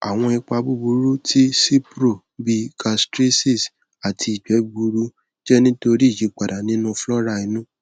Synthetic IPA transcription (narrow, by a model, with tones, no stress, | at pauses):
a˨w̃ɔ̃˧i˧k͡pa˧bu˦˨bu˧ɾu˦tʰi˦si˦pɾo˦˨ | bi˧ka˧stɾe˦si˦˨s | a˨tʰi˧i˨d͡ʒɛ˨˦ɡ͡bu˧ɾu˦ | d͡ʒɛ˦nĩ˦to˧ɾi˦˨ji˨˦k͡pa˨da˨nĩ˦nũ˦flɔ˦ɾa˧i˧nũ˦